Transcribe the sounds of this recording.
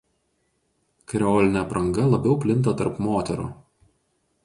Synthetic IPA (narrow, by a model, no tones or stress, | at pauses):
kɐɾʲɛoːlʲɪnʲɛpɾɐŋɡɐlˠɐbʲɛʊpʲlʲɪnt̪ɐt̪ɐɾpmoːt̪ʲɛɾṵː